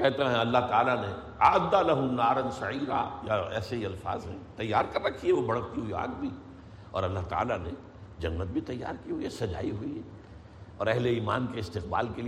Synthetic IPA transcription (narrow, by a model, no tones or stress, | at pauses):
kɛɦt̪eɦɛ̃ɐlːaɦt̪aːlane | aːd̪ːalɐɦʊnaːɾɐnsɐʕiːɾa̰jaɛ̰ːseɦiɐlfa̰ːzɦɛ̰̃t̪ɐjːaːɾkɐɾɾɐkʰiɛʋobɐɽ̤ək̚t̪iɦuia̰ːɡbʱi | ɔ̰ːɾɐlːaɦt̪a̰ːlane | d͡ʒɐnːət̪̚bʱit̪ɐjːa̰ːɾkiɦuiɛsɐd͡ʒa̰ːiɦʊiɛ | ɔːɾɐɦleiːma̰ːnkeɪst̪ɪqba̰ːlkeli